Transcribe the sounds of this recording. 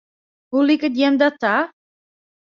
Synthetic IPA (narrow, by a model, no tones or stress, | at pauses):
hulikət̪jɛmd̪at̪a